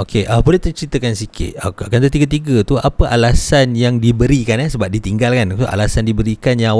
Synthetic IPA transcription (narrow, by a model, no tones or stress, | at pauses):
okʰeʔəbolet̪ərt͡ʃɾit̪əkansikʰɪ̰t̪̚kat̪̬ət̪iɡət̪̬iɡət̪uʔapəʔalasanjaŋdibəɾikanɛsəbap̚dit̪iŋɡalkanoa̰lasandibəɾikanjaw